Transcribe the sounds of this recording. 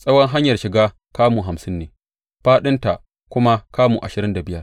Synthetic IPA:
sʼɐ˦wɔ˦ŋɦa˦ɲjɐ˨rʃɪ˨ɡaː˦ | kaː˦muː˨ɦa˨msɪ˦nːeː˨ | ɸaː˦ɗɪ˦nta˨ | kʷʊ˦ma˦kaː˦muː˨ʔa̰˨ʃɪ˨ɾɪ˦nda˨bɪ˦jɐ˦˨

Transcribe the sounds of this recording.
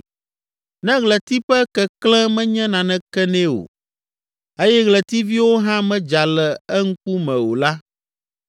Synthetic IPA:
nɛ̃˦ɣlɛ˨t̪i˦ɸɛ˦kɛ˨klɛ̃˦mɛ̃˦ɲɛ̃˦nã˨nɛ̃˦kɛ˦nɛ̃˦wo̰˨ | e˦jɛ˦ɣlɛ˨t̪i˦vi˦wo˦ɦã˦mɛ̃˦d͡ʒa˨lɛ˨ɛ˦ŋ̩˦ku˦mɛ̃˨wo˨la˦

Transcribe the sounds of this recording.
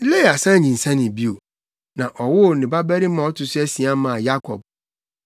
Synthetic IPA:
le˦˨a˨sã˦˨ɲĩ˨n̩˨sã˦nɪ̃˨bi˦o˨ | nã˨ʔɔ˨wʊ˦˨nɪ̃˨ba˦bɛ˦ɾi˦mã˨˦ɔ˦tʊ˨sʊ˦æ˦si˨ã˦mã˨ja˦kʰɔ̰˨b̚

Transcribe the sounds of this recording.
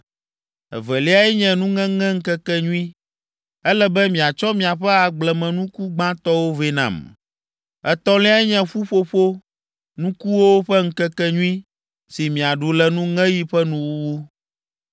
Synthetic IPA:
ɛ̰˨vɛ˨li˦a˦ɛ˦ɲɛ̃˨nũ˦ŋɛ̃˦ŋɛ̃˦ŋ̩˦kɛ˦kɛ˦ɲũ˦ĩ˦ | ɛ˦lɛ˦bɛ˦mĩ˨a˨t͡ʃɔ˦mĩ˨a˨ɸɛ˦a˨ɡ͡blɛ˨mɛ̃˨nũ˦ku˦ɡ͡bã˦t̪ɔ˦wo˦ve˦nã̰˨m | ɛ˨t̪ɔ˦li˦a˦ɛ˦ɲɛ̃˨ɸu˦ɸo˦ɸo˦ | nũ˦ku˦wo˦o˦ɸɛ˦ŋ̩˦kɛ˦kɛ˦ɲũ˦ĩ˦ | si˨mĩ˨a˨ɖu˨lɛ˨nũ˦ŋɛ̃˦ji˦ɸɛ˦nũ˦wu˦wu˦

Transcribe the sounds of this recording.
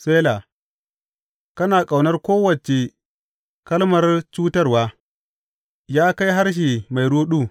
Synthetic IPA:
seː˦la˨ | kɐ˦naː˨kʼa˨wnɐ˦rkʷoː˦wɐ˨t͡ʃe˨ | kɐ˦lmɐ˨rt͡ʃuː˦tɐ˦rwaː˦ | jaː˦ka˦jɦa˦rʃ̬i˨ma˨jɽuː˦ɗuː˦˨

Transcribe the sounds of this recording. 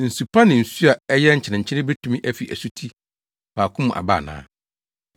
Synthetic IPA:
n̩˨su˨pʰa˦nɪ̃˨n̩˨su˦a˨ɛ˦jɛ˦ɲ̩˨t͡ɕʰɪ˨nɪ̃˨ɲ̩˨t͡ɕʰɪ˦ɪ̃˦be˦tʰũ˨mĩ˦ʔæ˦fi˨ʔæ̰˨su˦tʰi˦ | baː˨kʰʊ̃˦m̃˨ʔa̰˨ba̰ː˦˨nã̰ː˨˦

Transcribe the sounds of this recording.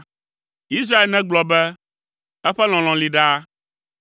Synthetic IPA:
i˦s̬ɾa˦e˨lnɛ̃˦ɡ͡blɔ˨bɛ˦ | ɛ˦ɸɛ˦l̃ɔ̃˨l̃ɔ̃˨li˨ɖa˦

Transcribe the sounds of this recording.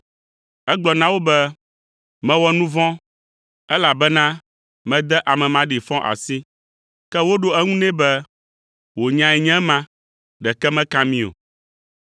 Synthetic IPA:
ɛ˦ɡ͡blɔ˨nã˦wo˦bɛ˦ | mɛ̃˦wɔ˦nũ˦vɔ̃˦ | ɛ˦la˨bɛ˦nã˦ | mɛ̃˦d̪ɛ˦ʔa˨mɛ̃˨mã˨ɖi˨fɔ̃˦ʔa̰˨si˦ | kɛ˦wo˦ɖo˦ɛ˦ŋũ˦nɛ̃˦bɛ˦ | wo˨ɲã˨ɛ˨ɲɛ̃˦mã˦ | ɖɛ˨kɛ˦mɛ̃˦kã˦mĩ˦o̰˨

